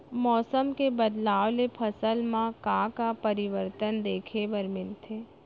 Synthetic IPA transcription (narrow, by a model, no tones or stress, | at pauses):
mɔːsəmkebəd̪laːʋlepʰɐsəlmãkãkapəɾɪʋəɾt̪ənd̪eːkʰebəɾmɪnt̪ʰeː